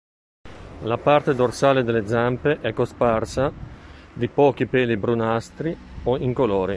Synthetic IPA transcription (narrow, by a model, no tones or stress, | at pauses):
lapart̪ed̪orsaːled̪elːed̪zampeʔɛkːosparsad̪ipɔːk̟ipɛːlibɾunast̪ɾi | oiŋkoloːɾi